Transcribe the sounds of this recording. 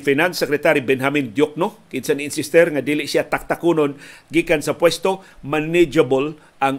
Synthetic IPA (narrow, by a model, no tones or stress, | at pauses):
finansɛkɾɛt̪aɾibɛnɦamɪnd̪jok̚nokɪnsanɪnsɪst̪ɛɾŋad̪iːlɪʔsiat̪ak̚t̪akunonɡikansapwɛst̪omanɪd͡ʒabol | ʔaŋ